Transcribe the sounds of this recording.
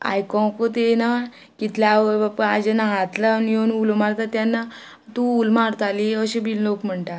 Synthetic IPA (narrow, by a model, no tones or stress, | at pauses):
a̰jkɔ̃kot̪ena | kit̪ʰljaapəad͡ʑenaɦat̪lanjonulomaɾt̪at̪janːa | t̪uulmaɾt̪aliəɕebillokm̤əɳʈ̪a